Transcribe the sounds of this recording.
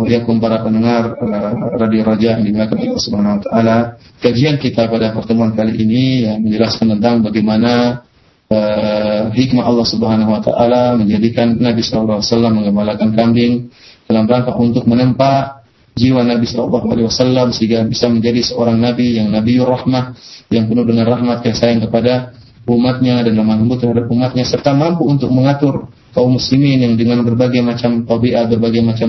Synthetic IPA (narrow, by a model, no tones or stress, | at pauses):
aijakʊmpaɾapənəŋarəradiaɾad͡ʒaʔjaŋdimilakanollːahsubəɦanahuwat̪aʔala | kad͡ʒiankit̪apadapərt̪əmuankaliʔːnijaməɲd͡ʒəlaskant̪ənt̪̬aŋbaɡemana | ə | ɦikmaɑlːɑhsubəɦanaɦuwat̪a̰ʔalaməɲd͡ʒadikanːabisɔlalːˠɑhuwasalːamːəŋɡəmbalakankambɪŋd̥alamɾaŋkaʔunt̪ʊk̚mənəmpa | d͡ʒiwanabisɔla̰lˠːɑɦua̰liwasalːamsəhiŋɡabisaməɲd͡ʒadisəoɾaŋnabijaŋnabiurahmahjaŋpənudəŋanrahmat̪̚kajasajaŋkəpada | ʔumat̪̚ɲadanlamanəmbut̪ːərhadap̚umat̪̚ɲasərt̪amampuunt̪ʊk̚məŋat̪ʊr | kaumːuslimɪnjaŋdəŋanbərbaɡajmat͡ʃamt̪ɔbiʔat̪̚bərbaɡajmat͡ʃa